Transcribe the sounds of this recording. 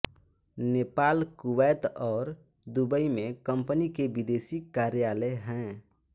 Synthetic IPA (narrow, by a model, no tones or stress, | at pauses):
neːpaːlkʊwɛːt̪ɔːɾ | d̪ubəimẽkə̃mpnikeʋɪd̪eːsikaːɾjaːləɦɛ̃ː